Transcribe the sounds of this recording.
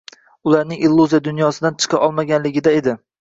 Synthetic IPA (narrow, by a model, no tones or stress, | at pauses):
ʊlaɾnɪŋʔilˠːuzijad̪ʊnjɒsɪd̪ant͡ʃʰɨ̥qʰɑʔɒlˠmaɡʲanlɪɡʲɪd̪ae̞d̪ɪ